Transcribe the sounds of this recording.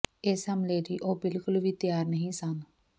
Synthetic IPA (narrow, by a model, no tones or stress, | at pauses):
eːsəmleːɾiːʔoːbɪlkʊlʋiːt̪ɪjaːɾnəɦĩːsən